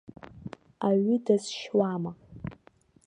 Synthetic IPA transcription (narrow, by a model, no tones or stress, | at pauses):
aɥidazʃwama